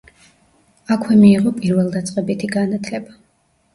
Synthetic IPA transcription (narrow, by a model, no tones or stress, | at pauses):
akʰwɛmiːʁɔpʼiɾvɛlˠd̪at̪sʼqʼɛbit̪ʰiɡanat̪ʰlɛba